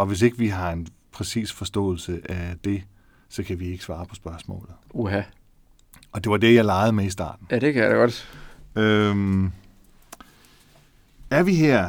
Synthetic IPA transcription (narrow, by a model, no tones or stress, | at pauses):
ɒ̽ʋe̝se̝ɡ̥əʋiɦɑ̈e̝npʰʁɛsḭːsfɒ̽sd̥ɔ̰̽ːl̩səʔæd̥e̝ | sɒ̽kʰæʋie̝ɡ̥əsʋɑ̈ːpʰɒ̽sb̥ɶɐsmɔ̰̽ːlð̩ˠoɦæ | ɒ̽d̥e̝ʋɑ̈d̥e̝jɑ̈ɪlɑ̈ɪð̞̩ˠmeisd̥ɑ̰̈ːd̥n̩jæd̥ekʰæja̰deɡ̥ɒd̥øm | æɐʋiɦeɐ̰